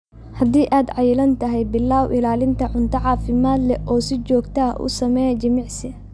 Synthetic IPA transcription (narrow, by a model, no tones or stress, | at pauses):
hɐd̪iːʔaːd̪ʕɑjɪlɐnt̪ʰɐɦɛjbɪlːaːwʔɪlaːlɪnt̪ʰɐʕʊnt̪ʰɐʕɑːfɪmaːd̪lɛʔɔːsɪt͡ʃɔːɡt̪ʰaːʔʊ̰sɐmɛjɐt͡ʃɐmɪʕsɪ